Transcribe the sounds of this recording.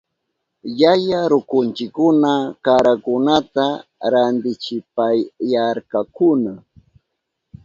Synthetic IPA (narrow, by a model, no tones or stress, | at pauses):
jajaɾʊkʊnt͡ʃɪkːʊnakaɾakʊnat̪aɾand̪ɪt͡ʃɪpajaɾkakʊna